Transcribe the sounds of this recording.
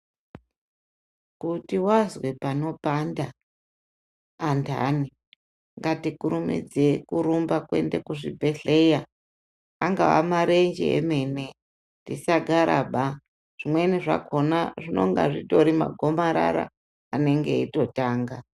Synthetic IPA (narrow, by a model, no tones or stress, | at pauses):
kutiwazwe̞pano̞panda | ntʰa̰ni | ŋɡatikuɾumḭd͡zekuɾumbakwe̞̰ndekuʐibʱe̞ɬe̞jaː | ŋɡawa̰maɾe̞nd͡ʒḛḛme̞ne̞ | ndisaɡʱaɾʔa̰ɓa | ʐ̥imwe̞niʐa̰kʰo̞naʐino̞̰ŋɡa̰ʐito̞ɾima̰ɡʱo̞maɾa̰ɾa̰ː | ne̞ŋɡe̞ito̞taːŋɡa